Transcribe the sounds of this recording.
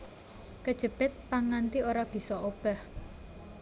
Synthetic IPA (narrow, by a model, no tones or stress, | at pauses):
kəd̥ʒ̥ə̤b̥ɪt̪̚paŋant̪iʔoɾab̥i̤sɔʔob̥ah